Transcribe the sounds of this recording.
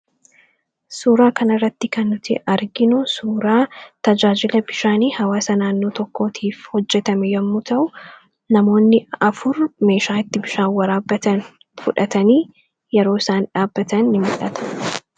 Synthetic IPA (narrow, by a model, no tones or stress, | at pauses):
suːɾaːkɐnɐrːɐt̪ːɪkɐnːʊt̪ɪ̰ʔɐɾɡɪnʊsuːɾaːt̪ɐd͡ʒaːd͡ʒɪlɐbɪʃaːniːhɐwaːsɐnaːnːoːt̪ɔkːo̞ːt̪ʰiːfhɔd͡ʒːɛt̪ɐmɛjɐmːut̪ɐʔʊ | nɐmo̞ːnːɪɐfʊɾme̞ːʃaːɪt̪ːɪbɪʃaːwɐɾaːbːɐt̪ɐn | fʊᶑɐt̪ɐniː | jɛɾoːɪsaːnᶑaːbːɐt̪ɐnːɪmʊ̰ᶑɐt̪ɐ̥